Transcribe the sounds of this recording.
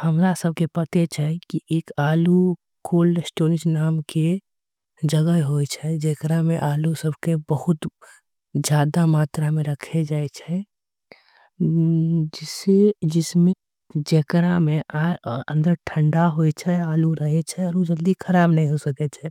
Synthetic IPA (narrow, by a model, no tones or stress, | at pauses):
həmɾasəb̚ʱkepət̪et͡ʃʰɛkiʔeːkaːlu | kʰoːlsʈoːɾɪd͡ʒnaːmke | d͡ʒəɡəɦɦojt͡ʃʰɛd͡ʒekɾamẽʔaːlusəbʱkebəhʊt̪ | d͡ʒaːd̪amaːt̪ɾamẽɾəkʰed͡ʒaːɛt͡ʃʰɛ | d͡ʒɪsed͡ʒɪsmẽ | d͡ʒekɾamẽʔaə̰̃nd̪əɾʈʰəɳɖaɦoɛt͡ʃʰɛaːluɾəɦɛt͡ʃʰɛɔːɾod͡ʒəld̪ikʰəɾaːbnəɦĩɦosəkɛt͡ʃʰɛ